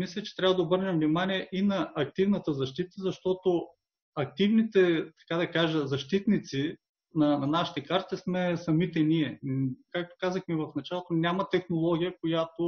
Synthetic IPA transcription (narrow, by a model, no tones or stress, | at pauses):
mislʲɛt͡ʃɛ̥t̪ɾʲabəd̪ɐobɤɾnʲɛmvnimaniɛʔinɐɐk̚t̪ivnət̪əzɐʃt̪it̪əzɐʃt̪ɔt̪o | ɐk̚t̪ivnit̪ɛt̪ɐ̥kad̪ɐkaʒɐzɐʃt̪it̪nit̪si | nɐnɐnaʃi̥t̪ɛkaɾt̪ismɛsɐmit̪ɛniɛkak̚t̪o̥kazəxmivɐfnɐt͡ʃalˠot̪onʲamɐt̪ɛxnolˠɔɡʲijəkojat̪o